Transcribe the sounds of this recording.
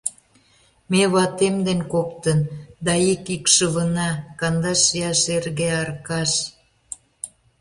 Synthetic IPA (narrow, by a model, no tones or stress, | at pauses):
meβɑt̪emd̪enkop̚t̪ənd̪ɑikikʃəβə̆nɑkɑnd̪ɑʃjɑʃerɣeɑrkɑʃ